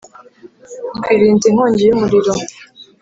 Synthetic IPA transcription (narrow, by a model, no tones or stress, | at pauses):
ɡwiːβiːntiŋ̥oːɲɟejumuɾiɾo